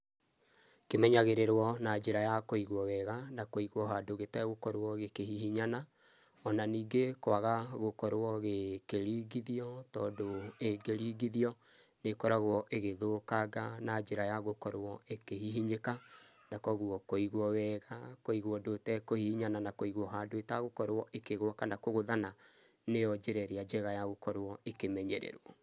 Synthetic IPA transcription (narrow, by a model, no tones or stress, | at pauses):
kemɛɲaɣeɾeɾwɔnad͡ʒeɾajakoiɣwɔwɛɣanakoiɣwɔɦadoɣetɛɣokɔɾwɔɣekehihiɲana | ɔnaniːɡekwaɣaɣokɔɾwɔɣekeɾiɡiðiɔtɔːdoeɡeɾiːɡiðiɔ | nekɔɾaɣwɔʔeɣeðokaɡanad͡ʒeɾajaɣokɔɾwɔekehiɦiɲeka | nakɔɣwɔkoiɣwɔwɛːɣakoiɣwɔdotɛkohihiɲananakoiɣwɔɦadoetaɣokɔɾwɔʔekeɣwɔkanakoɣoðana | nejɔd͡ʒeɾɛɾead͡ʒɛɣajaɣokɔɾwɔekemɛɲɛɾɛ̰ɾɔ